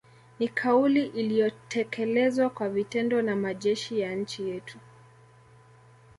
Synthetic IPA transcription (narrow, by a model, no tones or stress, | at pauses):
nikʰauliʔilijɔtʰɛkʰɛlɛzwakwavitɛndɔnamaʄɛʃijaɲ̩t͡ʃijɛtʰu